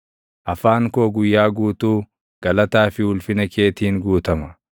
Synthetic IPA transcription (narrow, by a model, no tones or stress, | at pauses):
ʔɐfaːŋkoːɡʊjːaːɡuːt̪uː | ɡ̥ɐlɐt̪aːfɪhʊlfɪnɐke̞ːt̪iːŋɡuːt̪ɐmɐ